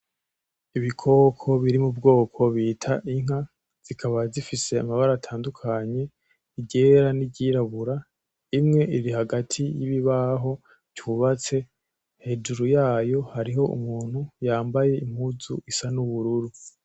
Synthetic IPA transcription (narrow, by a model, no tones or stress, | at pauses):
iβikʰo̞ːkʰo̞βiɾimubɡo̞ːkʰo̞βiːtʰaʔiŋ̥ha | z̥ikʰaβazifise̞amaβaɾatʰaːndukʰaɲe̞ | iɟe̞ɾaniɟiːɾaβuɾa | imŋe̞ʔiɾihaɡatʰijiβiβaɦo̞ | ɟuβat͡se̞ | he̞d͡ʒuɾujaːjo̞haɾiɦo̞ṵmuːn̥hujaːmbaje̞im̥huzṵʔisanuβuɾuɾu